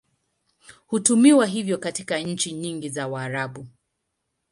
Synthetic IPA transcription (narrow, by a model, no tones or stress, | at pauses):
hutumiwaɦivjɔkatikaɲ̩t͡ʃiɲiŋɡizawaːɾaɓu